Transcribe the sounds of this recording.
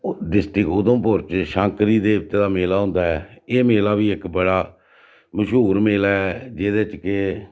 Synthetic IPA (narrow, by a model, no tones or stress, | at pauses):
ɖɪsʈɪkʊd̪õːpoɾt͡ʃʃãːŋkɾiːd̪eːʊt̪ːeːd̪aːmeːlaːɦʊ̃ːnd̪aːɛːeːmeːlaːʋiːɪkbəɽaː | məʃɦuːɾmeːlaɛːd͡ʒeːd̪eːt͡ʃke